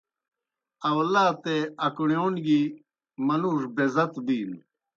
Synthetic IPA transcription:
ɐwlaːt̪eɐkuɳoːnɡi | mɐnuːʂbezɐt̪biːn

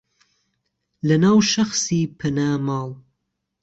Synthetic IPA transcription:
lɐnaːwʃɐxsiːpʰɐnaːmɑːlˠ

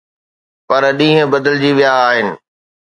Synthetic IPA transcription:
pɐɾɗĩːɦə̃bɐd̪əld͡ʑiʋijaːɦɪnɪ̆

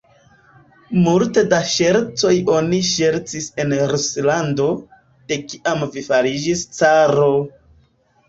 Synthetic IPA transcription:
multe̞daʃeɾt͡so̞jo̞niʃe̞ɾt͡sise̞nɾuslando̞ | d̥e̞kiʔamvifaɾid͡ʒist͡saɾo̞

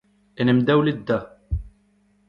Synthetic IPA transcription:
inəmd̪æwləd̪ːæ

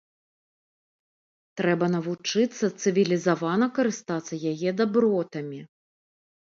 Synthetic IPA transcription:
t̪ɾɛbɐn̪ɐvut͡ʂɨt̪sːɐt̪sɨvʲilʲizavanɐkɐɾɨst̪at̪sːɐjajɛd̪abɾɔt̪ɐmʲi

